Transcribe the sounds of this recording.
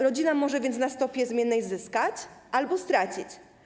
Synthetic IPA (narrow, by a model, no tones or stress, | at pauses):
ɾɔd͡ʑinamɔʐɛvʲjɛnt̪nast̪ɔpʲjɛzmʲjɛnːɛjzɘskat͡ɕʔalbɔst̪ɾat͡ɕit͡ɕ